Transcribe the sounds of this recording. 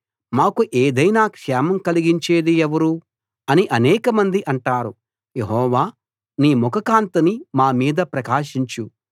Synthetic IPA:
maːkuʔeːd̪ɐjnaːkʂɛːmɐmkɐliɡiɲt͡ʃe̞ːd̪ieʋɐɾu | ɐniʔɐnɛːkɐmɐnd̪iʔɐɳʈaːɾu | jeɦɔːʋaː | niːmɔkɐkaːnt̪ɐnimaːmiːd̪ɐpɾɐkaːʃiɲt͡ʃu

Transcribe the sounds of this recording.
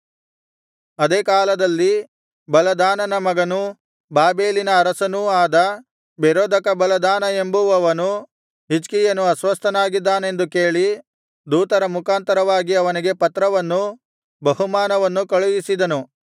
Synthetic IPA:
ɐd̪eːkaːlɐd̪ɐlːi | bɐlɐd̪aːnɐnɐmɐɡɐnu | baːbe̞ːlinɐːɾɐsɐnuaːd̪ɐ | beɾoːd̪ɐkɐbɐlɐd̪aːnɐe̞mbuʋɐʋɐnu | ɦid͡ʒkijɐnuɐsʋɐst̪ʰɐnaːɡid̪ːaːne̞nd̪uke̞ːɭi | d̪uːt̪ɐɾɐmukʰaːnt̪ɐɾɐʋaːɡiɐʋɐniɡe̞pɐt̪ɾɐʋɐnːu | bɐɦumaːnɐʋɐnːukɐɭujisid̪ɐnu

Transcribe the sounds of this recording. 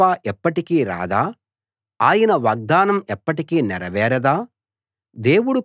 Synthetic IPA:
aːʔɛpːɐʈikiːɾa̰ːd̪aː | aːjɐnɐʋaːɡ̚d̪aːnɐmɛpːɐʈikiːnɛɾɐʋɛːɾɐd̪aː | d̪e̞ːwuɽu

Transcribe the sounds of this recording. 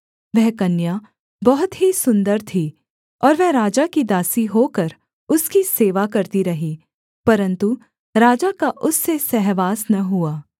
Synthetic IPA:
ʋɛɦkɐnja | bɔɦʊt̪ɦisʊ̃nd̪əɾt̪ʰiː | ɔːɾʋɛɦɾaːd͡ʒakid̪aːsiɦokɐɾ | ʊskiseːʋakɐɾt̪iɾɐɦiː | pɐɾə̃nt̪u | ɾaːd͡ʒakaʔʊsːesɛɦʋaːsnɐɦuaː

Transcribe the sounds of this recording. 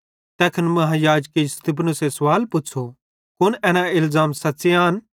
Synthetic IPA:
t̪ɛːkʰənmɐɦãjaːd͡ʒkist̪ɪpʰnʊsesɐwaːlpʊtːt͡ʃʰo | kʊnɛːnaɪlzaːmsɐt͡ʃeaːn

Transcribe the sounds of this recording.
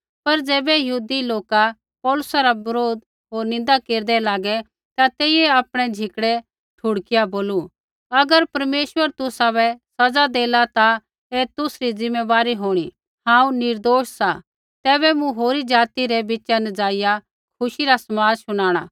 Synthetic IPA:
pɐɾd͡zɛːbɛjɐɦuːd̪iloːka | pɔːlʊsaɾabɐɾoːd̪ | ɦoːɾnɪ̃n̆d̪akeːɾd̪ɛlaːɡɛ | t̪at̪eːɪjɛaːpɽ̃ɛd͡ʒʱɪkɽɛ | ʈʰʊɽkɪjaboːlu | ɐɡəɾpɐɾmeːʃwəɾt̪ʊsaβɛsɐd͡zad̪eːlat̪a | et̪ʊsɾizɪ̃mːeʋaːɾiɦoːɽ̃i | hãːũnɪɾd̪oːʃsa | t̪ɛːbɛmũɦoːɾid͡ʒaːt̪iɾɛbɪt͡ʃanɐd͡zaːɪja | kʰʊʃiɾasɐmaːd͡zsʊɽ̃aːɽ̃a̰

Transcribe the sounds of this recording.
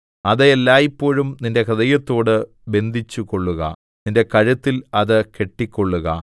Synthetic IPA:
ɐðɐelːaːjipːo̞ːɻumninde̞kɐðɐjɐt̪ːo̞ːɽɨ | be̞nd̪ʱit͡ɕːukːo̞ɭːuɣɐ̰ | ninde̞kɐɻɐt̪ːilɐðɨke̞ʈːikʲːo̞ɭːuɣɐ̰

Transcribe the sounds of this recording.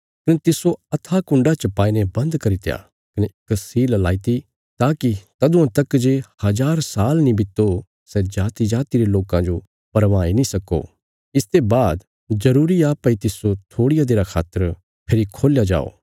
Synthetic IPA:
kɐnet̪ɪsoɐt̪ʰakʊ̃ɳɖat͡ʃɐpaːinebɐ̃nd̪kɐɾit̪ja̰ | kɐneksiːllaːit̪i | t̪aːkit̪ɐd̪ʊ̃ãt̪ɐkd͡ʒehɐd͡ʒaːɾsaːlnĩbɪt̪ːo | sɛd͡ʒaːt̪id͡ʒaːt̪iɾeloːkãd͡ʒo | pɐɾʋaːinĩsɐko̰ | ɪst̪ebaːd̪ | zɐɾuːɾiaːpɐit̪ɪsot̪ʰoːɽijad̪eːɾakʰa̰ːt̪ːəɾ | pʰeːɾikʰoːljad͡ʒa̰ːo̰ː

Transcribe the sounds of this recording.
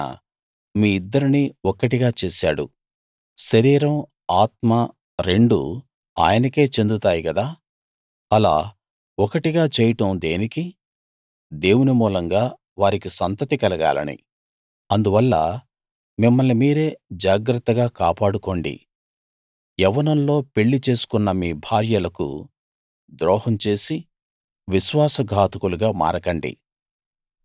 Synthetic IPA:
miːid̪ːɐɾiniɔkɐʈiɡaːt͡ʃeːsa̰ːɽṵ | ʃɐɾiːɾɐm | aːt̪mɐ | ɾe̞ɳɖṵ | a̰ːjɐnɐke̞ːt͡ʃe̞nd̪ut̪aːjikɐd̪aː | ɐla̰ː | ɔkɐʈiɡaːt͡ʃɛːjɐʈɐmd̪e̞ːniki | d̪e̞ːwunimuːlɐŋɡaː | ʋaːɾikisɐnt̪ɐt̪ikɐlɐɡa̰ːlɐ̰nḭ | ɐnd̪uʋɐlːɐ̰ | mimːɐɭːimiːɾe̞ːd͡ʒaːɡɾɐt̪ːɐɡaːkaːpaːɽuko̞ːɳɖḭ | ɛʋɐnɐnlo̞ːpe̞ɭːit͡ʃe̞ːsu̥kunːɐmiːbʱaːɾjɐlɐkṵ | d̪ɾɔːɦɐmt͡ʃe̞ːsi | ʋiʃʋaːsɐɡʱaːt̪ukuluɡaːma̰ːɾɐkɐɳɖḭ

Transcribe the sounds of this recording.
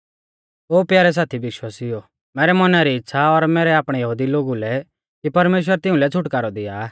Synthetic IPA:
oːpjaːɾɛs̬aːt̪ʰiʋɪʃwaːsɪjɔ | mɛːɾɛmɐnaɾiɪtːsʰaɔɾmɛːɾɛaːpɽ̃ɛjɐɦuːd̪iloːɡulɛ | kipɐɾmeːʃ̬wəɾt̪ɪũlɛt͡sʰʊʈkaːɾɔd̪ɪja

